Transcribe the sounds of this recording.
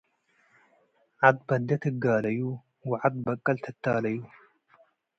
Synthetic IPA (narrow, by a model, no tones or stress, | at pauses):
ʕad̪bɐd̪ːɐt̪ʰɨɡaːlɐju | wɨʕad̪̚bɐkʼːɐlt̪ʰɐt̪ʰːaːlɐju